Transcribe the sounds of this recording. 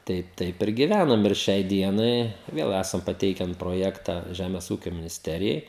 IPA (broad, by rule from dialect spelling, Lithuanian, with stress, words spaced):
ˈtɐɪ ˈtɐɪp ɪr ɡʲɪˈʋʲænɐm ɪr ˈʃʲɛɪ ˈdʲiɛnɐɪ ˈʋʲeːlˠ ˈæːsɐm pɐˈtʲɛɪkʲɛn proːˈjæːktɐ ˈʒʲæmʲɛs ˈuːkʲoː mʲɪnʲɪsʲˈtʲæːrʲɪjɛɪ